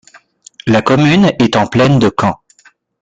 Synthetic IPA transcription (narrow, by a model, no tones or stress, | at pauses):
lakɔmynɛt̪ɑ̃plɛnd̪əkɑ̃